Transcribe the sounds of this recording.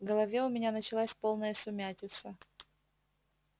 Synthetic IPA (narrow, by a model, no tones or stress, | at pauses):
ɡəlˠɐvʲeʊmʲɪnʲanət͡ɕɪlˠasʲpo̞lˠnəjəsʊmʲætʲɪt̪sə